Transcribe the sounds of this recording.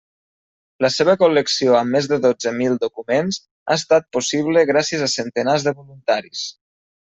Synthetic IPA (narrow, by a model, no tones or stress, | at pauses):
ləseβəkuləksioəmːezðəðod͡zəmilˠd̪ukumenz | a̰est̪at̪̚pusiβləɣɾasiəzəsənt̪ənazðəβolunt̪aɾis